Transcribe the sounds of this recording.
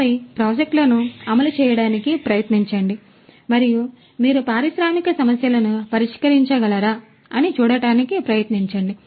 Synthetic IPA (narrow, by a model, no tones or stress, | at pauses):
ɐɾipɾaːd͡ʒek̚ʈlɐnuɐmɐlut͡ʃɛːjɐɽaːnikipɾɐjɐt̪niɲt͡ʃɐɳɖi | mɐɾiju | miːɾupaːɾiʃɾaːmikɐsɐmɐsjɐlɐnupɐɾiʂkɐɾiɲt͡ʃɐɡɐlɐɾaː | ɐnit͡ʃuːɽɐɽaːnikipɾɐjɐt̪niɲt͡ʃɐɳɖi